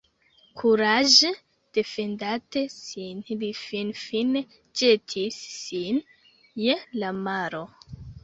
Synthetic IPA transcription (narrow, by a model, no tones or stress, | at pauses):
kʰuɾaʒe | d̥e̞fe̞ndatesinlifinfine | d͡ʒe̞tʰisːin | je̞lamaɾo̞